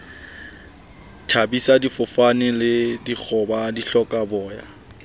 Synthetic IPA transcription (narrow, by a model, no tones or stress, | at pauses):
tʰabisadifʊfanɪlɪdik͡xʰɔbadiɬɔkʼabɔːja̰